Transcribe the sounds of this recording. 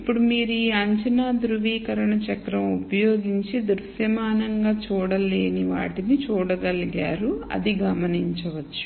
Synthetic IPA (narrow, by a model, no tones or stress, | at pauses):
ipːuɽumiːɾuiːɐɲt͡ʃɐnaːd̪ɾuʋiːkɐɾɐɳɐt͡ʃɐkɾɐmupɐjoːɡiɲt͡ʃid̪uɾsjɐmaːnɐŋɡaːt͡ʃuːɽɐleːniʋa̰ːʈinit͡ʃuːɽɐɡɐliɡaːɾuɐ̰d̪iɡɐmɐniɲt͡ʃɐʋɐt͡ʃːu̥